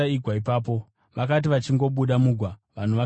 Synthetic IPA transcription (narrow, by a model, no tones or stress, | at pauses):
aiɡʱwaipaːp̬o̞ | ʋakat̬iʋat͡ʃiŋɡo̞ɓuɗamuɡʱwaʋan̤uʋa